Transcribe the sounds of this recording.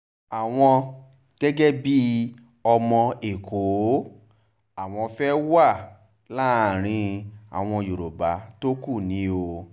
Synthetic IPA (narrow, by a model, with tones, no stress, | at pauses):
a˨w̃ɔ̃˧ | ɡ̥ɛ˦ɡɛ˦bi˦ | ɔ˧mɔ̃˧e˨kʰo˨˦ | a˨w̃ɔ̃˧fɛ˦wa˦˨ | la˦˨ɾ̃ĩ˧a̰˨w̃ɔ̃˧jo˨ɾo˨ba˨˦to˦ku˦˨nĩ˨˦o˧